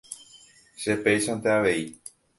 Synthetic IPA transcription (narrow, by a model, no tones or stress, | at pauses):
ʃepejʃãnt̪eaʋe̞i